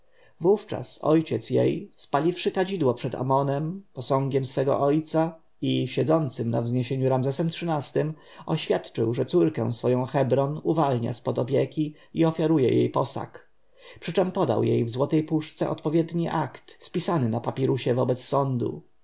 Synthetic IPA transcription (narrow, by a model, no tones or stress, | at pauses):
vuft͡ʂa̰sɔ̰jt͡ɕɛt̪sjḛjspalʲifʂɘkad͡ʑid̪wɔpʂɛd̪a̰mɔnɛmpɔsɔ̃ŋɡʲɛmsfɛɡɔ̰ʔɔjt̪sa | iɕɛd̪zɔnt̪sɘmna̰vzɲeɕeɲuɾamzɛsɛmtʂɘnast̪ɘm | ɔɕfʲjat̪t͡ʂɘwʐɛt̪suɾkɛ̰̃w̃sfɔjɔ̃w̃xɛbɾɔnuvalɲa̰spɔd̪ɔpʲjekʲi | iɔfʲjaɾujɛ̰jʔḛjpɔsa̰k | pʂɘt͡ʂɛmpɔd̪a̰wjḛjvzwɔt̪ɛjpuʂt̪sɛ̰ʔɔt̪pɔvʲjɛd̪ɲiʔakt̪spʲisanɘnapapʲjɛɾuɕɛvɔbɛt̪sːɔnd̪ṵ